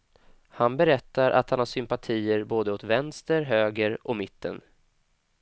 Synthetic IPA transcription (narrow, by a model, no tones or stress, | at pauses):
hanbɛɾɛt̪ːaɾʔa̰t̪hanhaʂʏmpat̪ʰiːəɾboːd̪əot̪vɛnst̪əɾɦøːɡəɾɔmɪt̪ːə̰n